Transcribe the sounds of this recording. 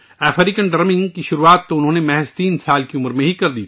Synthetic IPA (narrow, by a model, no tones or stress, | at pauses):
ɛːfʰɾikənɖɐɾmɪ̃ŋɡkiʃʊɾuaːt̪ːoʊnɦõːnemɛɦɛst̪iːnsaːlkiʊməɾmẽɦikɐɾd̪ḭː